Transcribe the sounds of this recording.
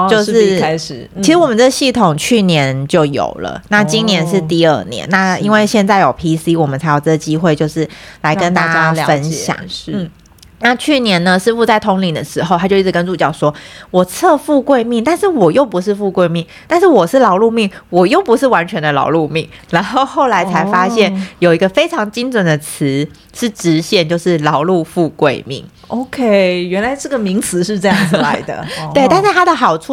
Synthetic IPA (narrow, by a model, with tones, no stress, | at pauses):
t͡ɕjo˥˧ʊʂɻ̩˥˧˨ | t͡ɕʰi˧˥ʂɻ̩˧˥wɔ˨˩mə˦nʈ͡ʂɤ˥˩ɡɕi˥˩t̪ʰo˨˩ŋt͡ɕʰy˥˩njɛ˧˦nt͡ɕjo˥˩ʊjo̰˨˩ʊlə̰˦na˥˩t͡ɕi˥ŋnjɛ˧˥nʂɻ̩˥˧t̪i˥˧ə˞˥˩njɛ̰˧˦nːa˥˩i˥nwe˥˧ɪɕjɛ˥˧nt͡sa˥˩ɪjo˨˩ʊpʰi˥si˥wɔ˨˩mə˦nt͡sʰa˧˥ɪjʊɤ˥˩ɡə˩t͡ɕi˥xwe˥˧ɪt͡ɕjo˥˧ʊʂɻ̩˥˩la˧˥ɪkə˦˥nt̪a˥˩˧t͡ɕja˥fə˦nɕjɑ̰˨˩˦ŋʂ̩˧n̩˩˥˩ | na˥˩˧t͡ɕʰy˥˩njɛ˧˥nnə˧ʂɻ̩˥˧fu˥˧t͡sa˥˩ɪt̪ʰʊ˧˥ŋli˨˩d̪ə̰˦ʂɻ̩˧˥xo˧a˧˥t͡ɕji˥˩˥kə˥nt͡su˥˩t͡ɕjɑ˥˩ʊʂwɔ˥wɔ˨˩t͡sʰɤ˥˧fu˥˧kwe˥˧ɪmi˥˩ŋt̪a˥˧nʂɻ̩˥˩wɔ˨˩jo˥˩ʊpu˨˧˥ʂɻ̩˥˧fu˥˧kwe˥˧ɪmi˥˩ŋt̪a˥˧nʂɻ̩˥˩wɔ˨˩ʂɻ̩˥˩lɑ˧˥ʊlu˥˧mi˥˩ŋwɔ˨˩jo˥˩ʊpu˧˦˥ʂɻ̩˥˩wa˧˥nt͡ɕʰɥɛ˧˥nd̪ə˧lɑ̰˨˧˥ʊlu˥˧mi˥˩ŋna˧˥nxo˥˧ʊxo˥˩ʊla˧˥ɪt͡sʰa˧˥ɪfa˥ɕjɛ˥˩njo˨˩ʊi˧˥ɡə˧fe˥ɪʈ͡ʂʰɑ˧˥ŋt͡ɕi˥ŋt͡swə˨˩nd̪ə˩t͡s̩ʰ˧˥ | ʂɻ̩˥˩ʈ͡ʂɻ̩˧˥ɕjɛ˥˩nt͡ɕjo˥˧ʊʂɻ̩˥˩lɑ˧˥ʊlu˥˧fu˥˧kwe˥˧ɪmḭ˥˩ŋ | o˧˥ʊkʰe˥ɪɥɛ˧˥nla˧˥ɪʈ͡ʂɤ˥˩ɡə˩mi˧˥ŋt͡sʰɹ̩˧˥ʂ̬ɻ̩˥˧ʈ͡ʂɤ˥˧jɑ˥˩ŋd͡zla̰˧˥ɪd̪ə̰˩˨t̪we˥˧ɪt̪a˥˧nʂa˥˩ɪa˥d̪ə˨xɑ˨˩ʊʈ͡ʂʰu˥˩